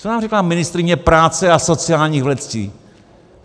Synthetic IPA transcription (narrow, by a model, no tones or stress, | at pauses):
t͡sonaːmrɛklaːmɪnɪst̪ɾɪɲɛpɾaːt͡sɛaso̞t͡sɪaːlɲiːɣvlɛt͡scḭː